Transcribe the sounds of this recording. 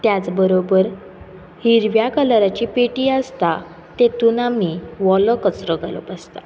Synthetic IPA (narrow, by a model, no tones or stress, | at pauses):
t̪jat͡sbəɾobəɾ | hiɾʋjakəlɾat͡ɕiːpeʈiːast̪a | t̪et̪unamiʋɔlɔkət͡sɾəɡalə̰past̪a